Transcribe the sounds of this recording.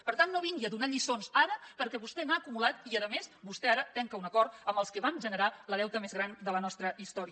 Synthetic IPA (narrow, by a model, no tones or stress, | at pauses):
pəɾt̪anːoβiŋɡiəðunaʎisonzaɾəpəɾkɛβust̪ɛnaːkumulat̪iəðəmesβust̪ɛaɾət̪ɛŋkəunəkɔɾt̪əmbəlˠskəβanʒənəɾaləðɛwt̪əmezɣɾand̪ələnɔst̪ɾəist̪ɔɾiə